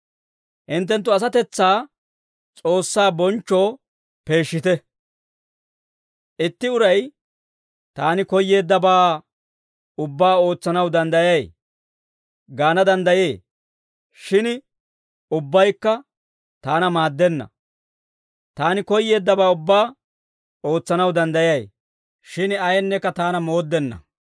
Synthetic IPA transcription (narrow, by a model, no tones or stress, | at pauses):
ʔɪnt̪ːɛnt̪ːʊɐs̬ɐt̪ɛt͡sːaː | t͡sʼo̞ːsːaːbɔnt͡ʃːo̞ː | pe̞ːʃːɪt̪ɛ | ʔɪt̪ːɪʊɾɐj | t̪aːnɪkɔjːe̞ːd̪ːɐbaː | ʊbːaːo̞ːt͡sːɐnɐwd̪ɐnd̪ɐjɐj | ɡaːnɐd̪ɐnd̪ɐje̞ː | ʃɪn | ʊbːɐjkːɐ | t̪aːnɐmaːd̪ːɛnːɐ̰ | t̪aːnɪkɔjːe̞ːd̪ːɐbaːʊbːaː | o̞ːt͡sːɐnɐwd̪ɐnd̪ɐjɐj | ʃɪnɐjɛnːɛkːɐt̪aːnɐmo̞ːd̪ːɛnːɐ̰